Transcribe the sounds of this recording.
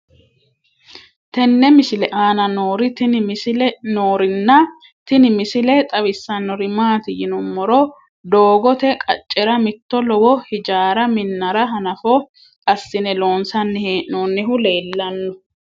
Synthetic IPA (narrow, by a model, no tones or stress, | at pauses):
t̪ɛnːɛmɪsɪlɛʔaːnɐnoːɾɪt̪ɪ | noːɾɪnːɐ | t̪ɪnɪmɪsɪlɛt̪ʼɐwɪsːɐnːɔɾɪmaːt̪ɪjɪnʊmːɔɾɔ | d̪oːɡɔt̪ɛkʼɐ̰t͡ʃʼːɛɾɐmɪt̪ːɔlɔwɔhɪd͡ʒaːɾɐmɪnːɐɾɐɦɐnɐfɔ | ɐsːɪnɛlo̞ːnsɐnːɪhnoːnːɪɦʊleːlːɐnːɔ